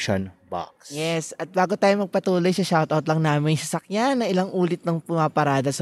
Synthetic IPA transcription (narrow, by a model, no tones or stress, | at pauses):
ʃo̰nba̰ksjɛsɐt̪̚baːɡot̪aːjomɐɡ̚pɐt̪uːlojsɐʃawt̪ɐwt̪lɐŋnaːmɪnsɐsɐkjanːɐʔɪlaŋʔuːlɪt̪̚nɐŋpʊmapɐɾaːd̪ɐsɐ